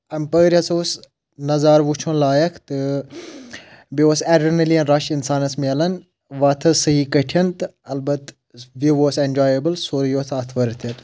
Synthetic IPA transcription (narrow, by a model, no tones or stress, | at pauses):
ɐmpəːɾiɐsoːs | nɐzaːɾʋut͡ʃʰõnlaːjɐkʰt̪ɨ | bioːsɛɖɐnɐliɐnɾaʃinsaːnɐsmʲelɐn | ʋaːt̪ʰɐsɐɦikɐʈʰiɐnt̪ɐlbɐt̪ | ʋiʋoːsend͡ʒaːjəbɨlsoːɾjoːt̪ʰaːt̪ʰʋɐɾt̪ʰɐt̪